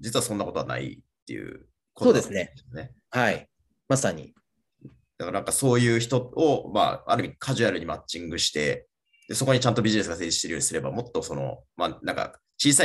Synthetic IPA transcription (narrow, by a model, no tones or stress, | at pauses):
d͡ʑit͡sɨβasõ̞nːako̞t̪o̞ana̰ḭt̪ːe̞jɯ̟̰ | kooːd̪esɨneone̞hai | masaɲ̟ḭ | d̪akaɾanãŋkaso̞ːjɯ̟ːçi̥t̪o̞oma̰ːa̰ɾɯ̟mʲikʰaʑiaɾɯ̟ɲ̟imat͡ɕːĩŋɡɯ̟ɕi̥t̪e̞ | d̪̥e̞so̞koɲ̟it͡ɕãnt̪o̞bʲiʑine̞sɨɡaseːd͡ʑiɕt̪eɾɯ̟joɲisɨɾe̞bamo̞t̪ːo̞so̞no̞̰manãŋka̰ | t͡ɕiːsa